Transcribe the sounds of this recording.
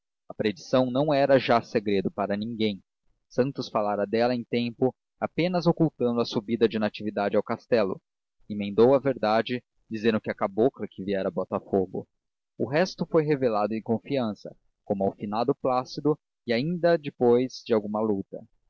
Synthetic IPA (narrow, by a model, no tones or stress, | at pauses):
ɐpɾed͡ʒisɐ̃w̃nɐ̃w̃ɛɾɐʒaseɡɾed̪ʊpaɾɐnĩŋɡẽj̃ | sɐ̃nt̪ʊsfalaɾɐd̪ɛlɐẽj̃t̪ẽmpʊ | apẽnɐzokuwt̪ɐ̃nd̪ʊɐsubid̪ɐd͡ʒɪnat͡ʃivid̪ad͡ʒɪawkast̪ɛlʊ̰ | imẽnd̪owɐveɾd̪ad͡ʒɪ | d͡ʒizẽnd̪ʊkɪɐkaboklɐkɪviɛɾɐbɔt̪ɐfoɡʊ̰ | ʊɦɛst̪ʊfojɦevelad̪ʊẽj̃kõfiɐ̃sɐ̰ | kõmʊawfinad̪ʊplasid̪ʊ | ɪaĩnd̪ɐd͡ʒɪpojz̥d͡ʒɪawɡũmɐlut̪ɐ